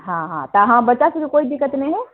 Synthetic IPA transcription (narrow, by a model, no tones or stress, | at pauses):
ɦãɦãt̪aɦãbɐːt͡ʃased͡ʒikoːid̪ɪkːət̪nɐĩɦɛ